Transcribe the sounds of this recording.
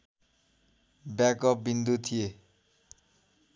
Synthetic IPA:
bjakʌp̚bind̪ut̪ʰije

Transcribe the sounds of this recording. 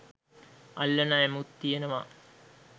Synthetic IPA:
ɐlːɐnaæmut̪ːijenəʋa

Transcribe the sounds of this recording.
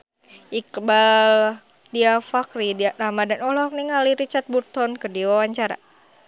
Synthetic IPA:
ʔikbal | diafakriramadanɔlɔkniŋaliɾit͡ʃart̪̚but̪ɔnkədiwawaɲt͡ʃaɾa̰

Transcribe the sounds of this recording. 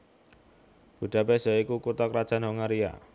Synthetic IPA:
b̥ṳɖ̥ä̤pesɔikukurt̪ɔkɾad̥ʒ̥a̤nɦoŋaɾia̰

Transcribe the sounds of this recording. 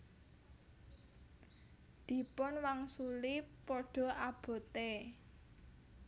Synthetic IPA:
d̪̥i̤pʊnwaŋsulipɔɖ̥ɔ̤ʔab̥ɔ̤t̪e

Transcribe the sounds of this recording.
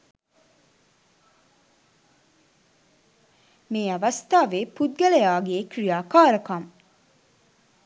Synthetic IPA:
meːɐʋɐst̪aːʋeːpud̪̚ɡælejaːɡeːkrijaːkaːɾɐkɐm

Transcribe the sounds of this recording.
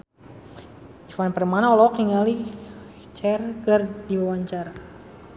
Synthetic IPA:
ifanpərmanaɔlɔk̚niŋali | t͡ʃɛrɡərdiwawaɲt͡ʃaɾa

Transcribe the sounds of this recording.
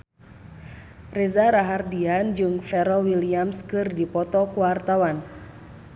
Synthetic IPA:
rɛzaɾaɦardiand͡ʒɨŋfɛɾɔwiliamskɨrdipɔt̪ɔkuwart̪awan

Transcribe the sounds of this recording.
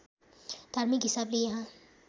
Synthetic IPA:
d̪̥ʱaːɾmɪkɦɪsaːblejɐɦã

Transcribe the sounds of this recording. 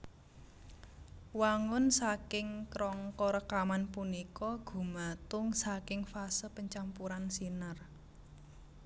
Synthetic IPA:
waŋʊnsakɪŋkɾɔŋkɔɾəkamanpunikɔɡ̥ṳmat̪ʊŋsakɪŋfasəpəɲt͡ʃampuɾansinər

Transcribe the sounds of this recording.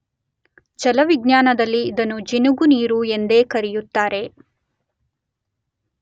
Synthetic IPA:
d͡ʒɐlɐʋiɡnjaːnɐd̪ɐlːiːd̪ɐnud͡ʒinuɡuniːɾue̞nd̪e̞ːkɐɾijut̪ːaːɾe̞

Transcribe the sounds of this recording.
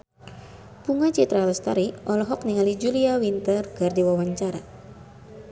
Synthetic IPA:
puŋat͡ʃit̪ɾalɛst̪aɾiʔɔlɔɦɔkniŋalid͡ʒuliawint̪ərɡardiwawaɲt͡ʃaɾa

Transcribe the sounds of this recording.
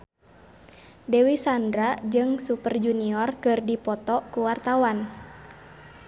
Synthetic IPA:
dɛwisandɾad͡ʒɨŋsupərd͡ʒuniɔrkɨrdipɔt̪ɔkuwart̪awan

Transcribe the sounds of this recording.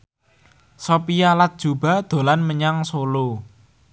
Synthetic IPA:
sopijalat̪̚d̥ʒ̥ṳb̥a̤d̪̥o̤lanməɲaŋsolo

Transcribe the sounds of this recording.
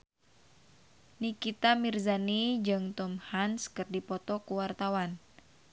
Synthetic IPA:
nikit̪amirzanid͡ʒɨŋt̪ɔmhanskɨrdipɔt̪ɔkuwart̪awan

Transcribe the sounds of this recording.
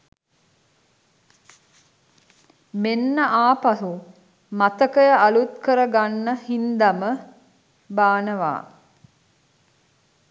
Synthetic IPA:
menːəʔaːpaɦu | mat̪əkəjəʔalut̪kəɾəɡanːəhind̪amə | baːnəʋa̰ː

